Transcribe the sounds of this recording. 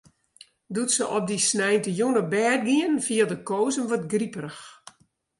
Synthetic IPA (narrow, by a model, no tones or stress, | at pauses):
dutsəʔɔp̚disnɛjntəjunəbɛːr̚ɡiənfiəlˠdəkoːzənʋɔtɡripərəx